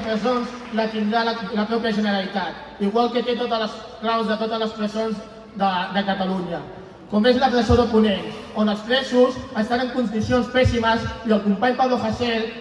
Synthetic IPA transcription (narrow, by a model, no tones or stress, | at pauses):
pɾəzonzlət̪ind̪ɾalləpɾɔpjəʒənəɾəlit̪at̪̚ | iɣwalˠket̪et̪ot̪ələs | klawzðət̪ot̪əzləspɾəzonz | d̪əd̪əkət̪aluɲə | komezləpɾəzoðəpunensonəlˠsfɾɛsusəst̪anəŋkund̪isionspɛsiməziəlˠkumpaɲpaɾðofəsɛl